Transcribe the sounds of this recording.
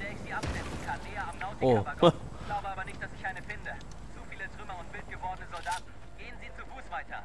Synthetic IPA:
v̥eːɐɪçz̥iːʔap̚klɛsn̩kʰanʔeːɐamnaʊtɪoabɐɡ | ɡ̥laʊbəaːbɐnɪçt̚d̥asɪçʔaɪnəfɪndə | t͡sufiːlətʁ̥ʏmɐʊntv̥ɪlt̚ɡ̥əvɔɐdənəzɔldaːtn̩ | ɡ̥eːənziːt͡sufuːsv̥aɪtʰɐ̰

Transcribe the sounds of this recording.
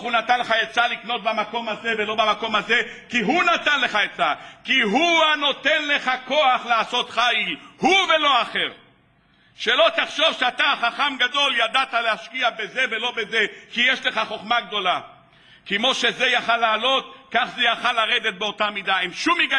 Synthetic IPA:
unat̪anleχaet͡salikno̞t̪̚bamako̞maze̞velo̞bamako̞mhazekiɦunat̪anle̞χaet͡sakiɦuano̞t̪enleχako̞aχleaso̞t̪χailhuvelo̞aχeʁ | ʃelo̞t̪aχʃo̞vʃeat̪aχaχamɡad̪o̞ljad̪at̪aleaʃkiabeze̞velo̞bezekijeʃleχaχo̞χmaɡd̪o̞la | kemo̞ʃe̞zejaχalːaːlo̞t̪kaχzejaχalːaʁed̪et̪̚beo̞t̪amid̪aemʃumiɡa

